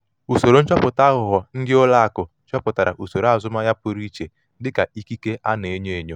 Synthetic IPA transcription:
u˨so˨ɾo˨˦n̩˦t͡ʃɔ˦pʊ˨ta˦ɣʊ˨ɦɔ˨n̩˦dɪ˦ʊ˦la˦a˨kʊ˨˦t͡ʃɔ˦pʊ˨ta˨ɾa̰˨ʔu˨so˨ɾa˨zʊ˦ma˦ja˦pʊ˦ɾi˦t͡ʃe˨ | dɪ˦ka˨i˦ki˦ke˦a˦ne˨e˦ɲe˦e˨ɲo˦

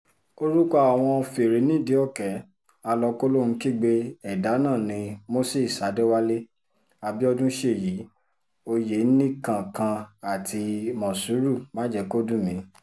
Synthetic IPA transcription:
o˧˦ɾu˦ka˦a˨w̃ɔ̃˧fe˨ɾe˨˦nĩ˦˨de˨˦ɔ˦˨kɛ˨˦ | a˧lɔ˧ko˦lo˦ñ̩˧˦ki˦˨ɡ͡be˦ɛ˨da˨˦nã˦˨nĩ˧mo˦se˦˨sa˨˦de˦wa˦le˦ | a˧˨bi˦ɔ˧dũ˦ʃe˦˨ji˨˦ | o˧je˨˦nĩ˦kã˨kã˧a˨tʰi˧mɔ̃˨su˨˦ɾu˦˨mã˨˦d͡ʒɛ˧ko˦dũ˦˨mĩ˨˦

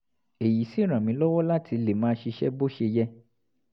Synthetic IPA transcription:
e˨ji˨si˦˨ɾ̃ã˨mĩ˧˦lɔ˦wɔ˦la˦ti˧le˨mãː˦ʃi˧ʃɛ̰˦bo˦ʃe˧jɛ˦

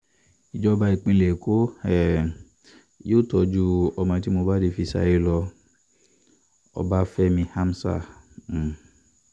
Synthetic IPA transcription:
i˨d͡ʒɔ˦ba˧i˨˧k͡pĩ˧le˨ko˦ɛ˦˨ | joː˦˨tɔ˧d͡ʒu˦ɔ˧mã˧ti˦mo˧ba˦de˧fi˧sa̰˧je˦lɔ˧ | ɔ̰˧ba˦fɛ˦mĩ˧ha˦m˦sa̰˦˨˦

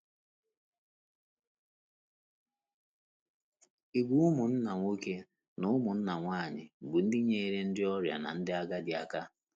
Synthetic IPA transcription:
i˨ɡʷu˦ʊ˦mʊ˨n̩˦na˨ŋʷo˦ke˦ | nʊ˦ʊ˦mʊ˨n̩˦na˨ŋʷaː˦˨ɲɪ̰˨bu˨n̩˦dɪ˦ɲe˦i˦ɾe˦n̩˦dɪ˦ɔ˦ɾja̰˨na̰˨n̩˦dɪ˦a˦ɡa˦dɪ˨a˨ka˦

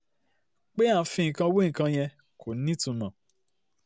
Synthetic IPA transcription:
k͡pe˦a˦˨fĩ˧˨ĩ˨kã˧wo˦ĩ˨kã˧j̃ɛ̃˧ | kʰo˨nĩ˦tũ˧mã˨

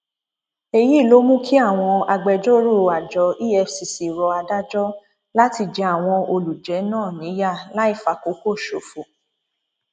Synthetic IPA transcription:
e˦ji˨˦˨lo˨˦mũ˦kʰi˦a˦˨w̃ɔ̃˧a˧ɡ͡bɛ˧d͡ʒo˦ɾo˦˨a˨d͡ʒɔ˧˦ʔi˦ɛ˧fsi˨si˨ɾɔ˨˧a˧da˦d͡ʒɔ˦ | la˦ti˧d͡ʒɛ˨˧˦a˦˨w̃ɔ̃˧o˧lu˨d͡ʒɛ˨˦nãː˦˨nĩ˨˦ja˦˨la˦i˦˨fa˨ko˨˦ko˦˨ʃo˨fo˨

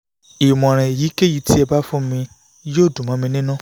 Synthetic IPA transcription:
i˨mɔ̃˨ɾ̃ɛ̃˨e˨ji˨˦ke˦ji˨˧˦ti˦ɛ˧ba˦fũ˦mĩ˧ | joː˦˨dũ˨mã˨˦mĩ˧nĩ˦nũ˦˨

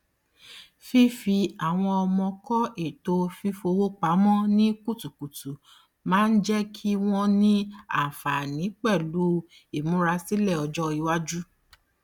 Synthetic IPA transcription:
fi˦fi˧a˨w̃ɔ̃˧ɔ˧mɔ̃˧kɔ˦e˦˨to˧fi˦fo˧wo˦k͡pa˨˦mɔ̃˦nĩ˦ku˦˨tu˨ku˨tu˨˦ | mãː˦n̩˦d͡ʒɛ˦kʰi˦w̃ɔ̃˦nĩ˦a̰˦˨fa˨nĩ˨˦k͡pɛ˦˨lu˨˦ | i˦˨mũ˨˦ɾa˧si˦lɛ˦˨ɔ˧d͡ʒɔ˦i˧wa˦d͡ʒu˦

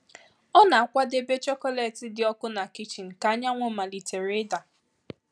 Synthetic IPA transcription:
ɔ˦na˨a˨kʷa˦de˦be˦t͡ʃɔ˦kɔ˦le˨tɪ˦dɪ˨ɔ˦kʊ˦na˨ki˦t͡ʃi˨n̩˨ka˨a˦ɲa˦ŋʷo˨ma˨li˨te˨ɾɪ˦da˨

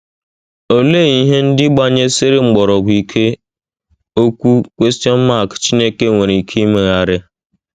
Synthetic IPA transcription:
o˦le˦˨i˨ɦe˦n̩˦dɪ˦ɡ͡ba˦ɲe˦sɪ˦ɾɪ˦ŋ͡m̩˨ɡ͡bɔ˨ɾɔ˨ɡ͡bi˨kʰe˦ | o˦kʷu˦kʷe˦sti˦ɔ˦n̩˦ma˦˨kt͡ʃi˦ne˦ke˦ŋʷe˨ɾi˨kʰe˦i˦me˨ɣa˦˨ɾɪ˦

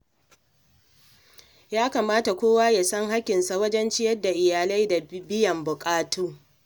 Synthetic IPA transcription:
jaː˦kaː˨maː˦ta˨kʷoː˦waː˦ja˨sɐ˦ŋɦa˦kʲɪ˨nsa˨wɐ˦d͡ʒɛ˦nt͡ʃɪ˦jɐ˦dːa˨ʔɪ˨jaː˨la˦jda˨bɪ˦jɐ˨mbʊ˨kʼaː˦tuː˦

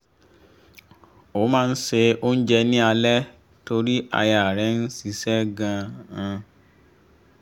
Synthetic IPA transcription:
o˨˦mãː˦˧n̩˦se˧o˦n̩˦d͡ʒɛ˧nĩ˦a˧lɛ˦ | to˧ɾi˦a̰˧ja˨ɾɛ˨˦n̩˦si˧sɛ˦ɡã˧ã˧

